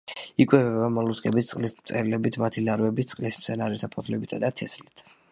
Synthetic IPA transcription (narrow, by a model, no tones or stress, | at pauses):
ikʼwɛvɛbamɔlˠuskʼɛbit̪sʼqʼlismt̪sʼɛɾlɛbit̪ʰmat̪ʰilaɾvɛbit̪ʰsʼqʼlismt̪sʰɛnaɾisapʰɔt̪ʰlɛbit̪ʰad̪at̪ʰɛslit̪ʰ